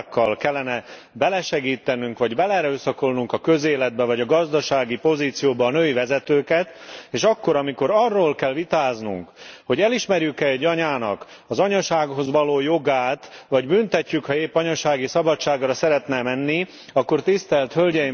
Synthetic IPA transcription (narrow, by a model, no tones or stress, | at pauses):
kːɒlkɛlːɛnɛ | bɛlɛʃɛɡiːt̪ɛnyŋkʋɒɟbɛlɛɾøːsɒko̞lnuŋkɒkø̞zeːlɛd̪̚bɛvɒɟɒɡɒzd̪ɒʃaːɡipo̞ziːt̪sijoːbɒːnøːivɛzɛt̪øːkɛt̪eːʃɒkːo̞ɾɒmiko̞ɾɒrːoːlkɛlʋit̪aːznṵŋkho̞ɟɛliʃmɛrjykɛɛɟːɒɲaːnɒ̰k | ɒzɒɲɒʃaːɡho̞zʋɒloːjo̞ɡaːt̪vɒɟbynt̪ɛcːykhɒeːpːɒɲɒʃaːɡisɒbɒt͡ʃt͡ʃːaːɡrɒsɛɾɛt̪nɛmɛnːi | ɒkːo̞rt̪ist̪ɛlt̪hølɟɛji